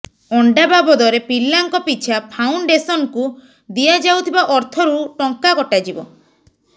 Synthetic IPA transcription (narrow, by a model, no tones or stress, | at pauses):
ɔɳɖababɔd̪ɔɾepilːaŋkɔpit͡ʃʰapʰawɳɖesɔnku | d̪iad͡ʒawt̪ʰibaʔɔɾt̪ʰɔɾuʈɔŋkaɡɔʈad͡ʒibɔ